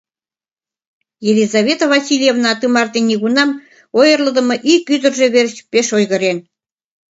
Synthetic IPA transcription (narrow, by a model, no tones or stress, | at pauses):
jelʲizɑβʲet̪oβɑsʲilʲjevnɑt̪ɯmɑrt̪enʲiɣunɑm | ojərləd̪ə̆mɤ̆ʔikyd̪ə̆rʒeβeɾɕpeʃojɣə̆ɾen